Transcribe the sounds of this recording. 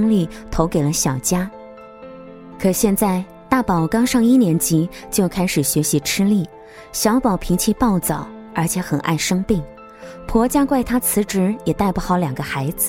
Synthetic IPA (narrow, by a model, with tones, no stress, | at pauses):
ŋli˥˩t̪ʰo˧˥ʊke˨˩ɪlə˦ɕjɑ˨˩ʊt͡ɕja˥ | kʰɤ˨˩ɕjɛ˥˧nt͡sa˥˧ɪ | t̪a˥˩pɑ˨˩ʊkɑ˥ŋʂɑ˥˧ŋi˥˩njɛ˧˥nt͡ɕi˧˥t͡ɕjo˥˩ʊkʰa˥ɪʂɻ̩˨˩ɕɥɛ˧˥ɕi˧˥ʈ͡ʂʰɻ̩˥li˥˩ | ɕjɑ˧˥ʊpɑ˨˩ʊpʰi˧˥ŋt͡ɕʰi˥˧pɑ˥˩ʊt͡sɑ˨˩˦ʊ | ə˞˧˥t͡ɕʰjɛ˧˥xə˨˩nʔa̰˥˩ɪʂɤ˥ŋpi˥˩ŋ | pʰwɔ˧˥t͡ɕja˥kwa˥˩ɪt̪ʰa˥t͡sʰɹ̩˧˥ʈ͡ʂɻ̩˧˥jɛ˨˩t̪a˥˩ɪpu˧˩xɑ˨˥ʊljɑ˨˩ŋɡə˦xa˧˥ɪd͡zɹ̩˧